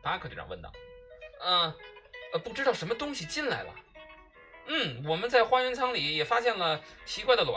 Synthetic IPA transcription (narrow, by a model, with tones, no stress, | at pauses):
pa˧˥kʰɤ˧˩˥ɑ̰˧˩˧wə̰˥˩nt̪ɑ̰˥˧˩ | ə˧˩ə˧pu˥˩ʈ͡ʂɻ̩˥t̪ɑ˥˩ʊʂə˧˥nmə˧t̪ʊ˥ŋɕi˨t͡ɕi˥˧nla˧˥ɪlə̰˨ | n̩˥˩wɔ˨˩mə˦nt͡sa˥˩ɪxwa˥ɥɛ˧˥nt͡sʰɑ˥ŋli˨˩jɛ˨˩fa˥ɕjɛ˥˩nlə˩t͡ɕʰi˧˥kwa˥˩ɪd̪ə˩lwa̰˧˦